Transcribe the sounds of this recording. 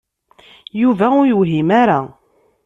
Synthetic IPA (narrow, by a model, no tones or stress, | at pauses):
juvæʊjuɦimaɾa